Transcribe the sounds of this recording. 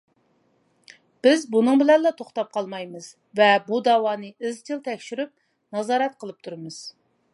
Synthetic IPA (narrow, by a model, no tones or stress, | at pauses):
b̥ɪzbunɨŋbɪlɛnlɑt̪ʰoχt̪ɑp̚qʰɑlˠmɑjmɨz̥ | vɛbud̪ɑwɑːnɨɪzt͡ʃ̪ʰɨlˠt̪ʰɛkʲʃyɾyp̚ | nɑzɑːɾɛt̪qʰəlˠɨp̚t̪ʰuɾɨmɨz̥